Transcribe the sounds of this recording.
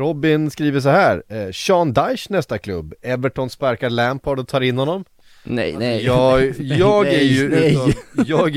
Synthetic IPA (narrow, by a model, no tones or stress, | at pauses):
ɾɔbːɪnskɾiːvəʂ̬ɔhæːɾɕɑːnd̪ajʂnɛst̪akʰlɵ̰bːɛvəʈʰɔnspaɾkalæmpʰɔɖɔt̪ʰɑːɾɪnhɔnːɔm | jɑːjɑːɡæɾjɵʉjɑːɡ